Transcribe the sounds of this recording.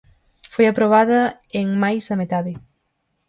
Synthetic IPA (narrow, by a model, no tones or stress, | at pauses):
fojapɾoβaðɐeŋmajzɐmet̪aðɪ